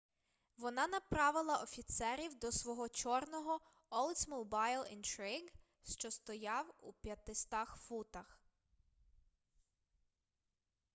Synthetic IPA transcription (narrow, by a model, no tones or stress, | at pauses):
ʋɔnɑnɐpɾɑʋɪlˠɐʔɔfʲit̪sɛɾʲiwd̪ɔsʋɔɦɔt͡ʃɔrnɔɦɔ | ɔlˠt̪sʲmuwbɑjlˠɪ̰nt̪ɾɪɡ | ʃt͡ʃɔst̪ɔjɑwupʲjɐt̪ɪst̪ɑxfut̪ɐx